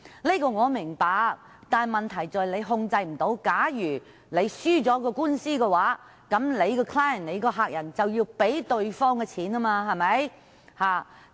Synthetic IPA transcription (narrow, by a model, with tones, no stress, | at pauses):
liː˥kɔː˧ŋɔː˨˧mɪ˨˩ŋpaː˨˧ | t̪aː˨mɐ˨nt̪ʰɐ˨˩jt͡sɔː˨jle˨˧jɦʊ˧ŋt͡sɐ˧jm̩˨˩t̪o˨˧˥wkaː˨˥jyː˨˩ | le˨˧jsyː˥t͡sɔː˨˥kɔː˧kuː˥nsiː˥kɛ˧waː˨˥ | kɐ˨˥mle˨˧jkɔː˧kʰlaː˥jə˨nle˨˧jkɔː˧ɦaː˧k̚jɐ˨˩nt͡sɐ˨wjiː˧wpe˨˥jt̪ɵ˧ɥfɔː˥ŋkɛ˧t͡sʰiː˨˥naː˥maː˧ɦɐ˨jmɐ˨˥j | haː˨˩